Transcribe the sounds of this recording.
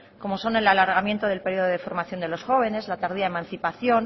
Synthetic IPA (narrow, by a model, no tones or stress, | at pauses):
ko̞mo̞so̞ne̞lalaɾɣamje̞nt̪o̞ðe̞lpe̞ɾjioðoðefo̞ɾmaθjo̞nd̪e̞lo̞sxo̞βe̞ne̞zlat̪aɾðiaðemãnθipaθjo̞n